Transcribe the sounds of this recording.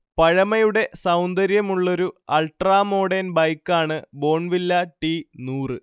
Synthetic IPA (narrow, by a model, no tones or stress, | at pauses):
pɐɻɐmɐjuɽe̞sɐwnd̪ɐɾjɐmuɭːo̞ɾuɐlʈraːmo̞ːɽenbɐjkːaːɳɨbo̞ːɳʋilːɐʈinuːrɨ